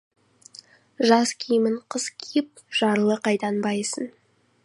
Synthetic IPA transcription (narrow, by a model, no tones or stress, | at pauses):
ʒɑskʲʰijmɪɴqʰəzkʲʰijɪp̚ʒ̥ɑɾlˠəqɑjt̪ɑnbɑjsən